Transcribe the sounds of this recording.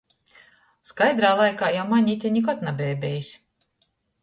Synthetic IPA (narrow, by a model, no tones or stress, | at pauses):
skajd̪ɾaːlˠajkaːjawmaɲʲit̪ʲɛɲʲikɔt̪nabʲɛːbʲɛjisʲ